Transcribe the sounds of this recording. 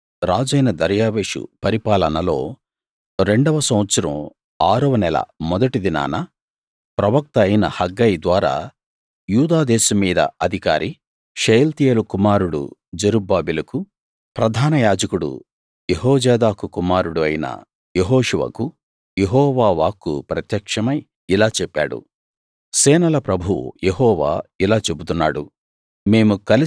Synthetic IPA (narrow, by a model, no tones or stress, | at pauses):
ɾaːd͡ʒɐjnɐd̪ɐɾjaːʋeːʂṵpɐɾipaːlɐnɐlo̞̰ː | ɾe̞ɳɖɐʋɐsɐ̃w̃ʋɐt̪sɐɾɐ̰̃m | aːɾɐʋɐnɛlɐ̰mɔd̪ɐʈid̪ina̰ːnɐ | pɾɐʋɐk̚t̪ɐjnɐ̰hɐɡːɐjid̪ʋaːɾa̰ː | juːd̪aːd̪ɛːsɐmːiːd̪ɐ̰ɐd̪ʱika̰ːɾʔi | ʃejlt̪ijeːlukumaːɾuɽṵd͡ʒɐɾubaːbilɐku | pɾɐd̪ʱaːnɐjaːd͡ʒɐkuɽṵ | jeɦɔːd͡ʒɛːd̪aːkukumaːɾuɽuɐjnɐ̰ | jeɦɔːʂuʋɐ̰ku | jeɦɔːʋaːʋaːkːṵpɾɐt̪jɐkʂɐmɐj | ilaːt͡ʃɛpːa̰ːɽṵ | sɛːnɐlɐpɾɐbʱuw̰jeɦɔːʋa̰ːilaːt͡ʃe̞but̪unːa̰ːɽu | me̞ːmukɐli